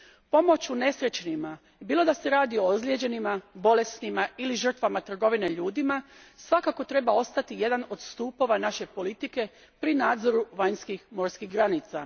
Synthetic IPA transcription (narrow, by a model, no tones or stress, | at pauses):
po̞mo̞t͡ɕune̞sɾe̞t͡ɕnima | biːlˠo̞d̪ase̞ɾaːd̪io̞ozljed͡ʑe̞nimabo̞le̞snimailiʒər̩t̪ʋamat̪r̩ɡo̞ʋine̞ʎuːd̪imasʋakako̞t̪ɾe̞bao̞st̪at̪ije̞d̪ano̞d̪st̪uːpo̞ʋanaʃe̞po̞lit̪ike̞ | pɾinaːd̪zo̞ɾuʋaɲskixmo̞ɾskiɣɡɾanit̪sa̰